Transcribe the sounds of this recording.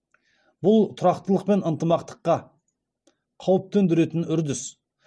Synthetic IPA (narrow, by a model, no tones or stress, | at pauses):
bʊlˠt̪ʰʊɾɑqt̪əlˠəq̚pe̞nənt̪əmɑqt̪ə̥qːɑ | qʰɑwəp̚t̪ɵnd̪ɪɾe̞t̪ɪnʏɾd̪ɪs